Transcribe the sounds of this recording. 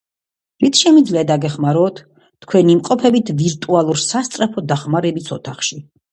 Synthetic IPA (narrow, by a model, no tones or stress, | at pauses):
ɾit̪ʰʃɛmid̪zliad̪aɡɛχmaɾɔːt̪ʰ | t̪ːkʰwɛnimqʼɔpʰɛbit̪ʰviɾt̪ʼualˠuɾsast̪sʼɾɛpʰɔd̪aχmaɾɛbisʰɔt̪ʰaχʃi